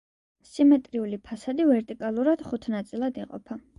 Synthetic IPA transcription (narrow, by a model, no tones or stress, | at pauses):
simɛt̪ʼɾiulipʰasad̪ivɛɾt̪ʼikʼalˠuɾad̪̥χut̪ʰnat̪sʼilˠad̪iqʼɔ̰pʰa